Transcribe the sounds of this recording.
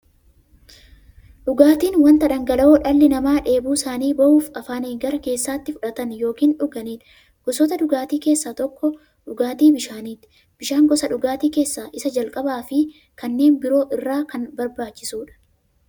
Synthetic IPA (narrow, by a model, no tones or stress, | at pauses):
ᶑʊɡaːt̪iːnwɐnt̪ɐᶑɐŋɡɐlɐoːᶑɐlːɪnɐmaːᶑe̞ːbuːsaːniːbɐʔuːfɐfaːneːŋɡɐɾɐke̞ːsːaːt̪ːɪfʊᶑɐt̪ɐnjo̞ːkiːnᶑʊɡɐniːt̪ɪ | ɡ̥ɔsɔt̪ɐᶑʊɡaːt̪iːke̞ːsːaːt̪ɔkːɔ | ᶑʊɡaːt̪iːbɪʃaːniːt̪ːɪ̥ | b̥ɪʃaːŋɡɔsɐᶑʊɡaːt̪iːke̞ːsːaːʔɪsɐd͡ʒɐlkʼɐbaːfɪ | kɐnːe̞ːnbɪɾo̞ːʔɪrːaːkɐnbɐɾbaːt͡ʃːɪsuːᶑɐ̥